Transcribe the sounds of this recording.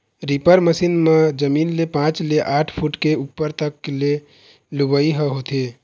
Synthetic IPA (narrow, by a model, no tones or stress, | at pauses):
ɾipəɾməsinmed͡ʒəmiːnlepãt͡ʃleʔaʈʰpʰuʈkeupːəɾt̪əkːle | lubəiɦəɦot̪e